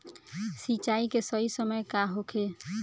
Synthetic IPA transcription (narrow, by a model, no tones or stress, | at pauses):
sit͡ʃaikesəisəməjkaɦokʰe